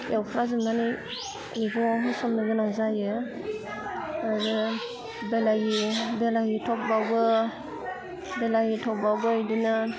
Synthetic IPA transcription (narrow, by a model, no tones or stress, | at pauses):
jʔawpʰɾazɯmnanij | niɡɔɦɯsɔmnɯɡɯnazajɯ | azɯ | belajibelajitʰɔk̚bawbɯ | belajitʰɔbawbɯajdinɯ